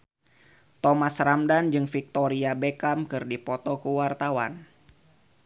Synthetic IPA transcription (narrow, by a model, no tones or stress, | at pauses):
t̪ɔmasramdand͡ʒɨŋfik̚t̪ɔɾiabekamkɨrdipɔt̪ɔkəwart̪awan